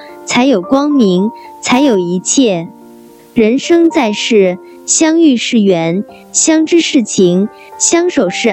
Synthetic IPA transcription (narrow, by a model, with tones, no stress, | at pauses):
t͡sʰa˧˥ɪjo˨˩ʊkwɑ˥ŋmi˧˥ŋt͡sʰa˧˥ɪjo˨˩ʊi˧˥t͡ɕʰjɛ˥˩ | ɻə˧˥nʂɤ˥ŋt͡sa˥˧ɪʂɻ̩˥˩ | ɕjɑ˥ŋy˥˧ʂɻ̩˥˩ɥɛ˧˥n | ɕjɑ˥ŋʈ͡ʂɻ̩˥ʂɻ̩˥˩t͡ɕʰi˧˥ŋ | ɕjɑ˥ŋʂo˨˩ʊʂɻ̩˥˩